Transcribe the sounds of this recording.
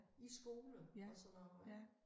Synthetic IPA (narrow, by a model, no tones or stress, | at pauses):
isɡ̥o̝ːləɒ̽sɔnɒːbɑɪ